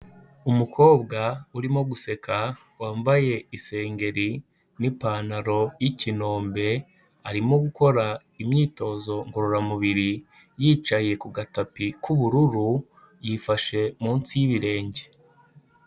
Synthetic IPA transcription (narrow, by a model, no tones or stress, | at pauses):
umukʰo̞ːbɡauɾimo̞ɡuse̞kʰa | waːmbaje̞ise̞ːŋɡe̞ɾi | nipaːnaɾo̞jicino̞ːmbe̞ | aɾimo̞ɡuko̞ɾa | imɲiːto̞ːzo̞ŋɡo̞ɾoɾamuβiɾi | jiːt͡ʃaje̞kuɡatapikuβuɾuɾu | jifaʃe̞muːnsijiβiɾe̞ːɲɟe̞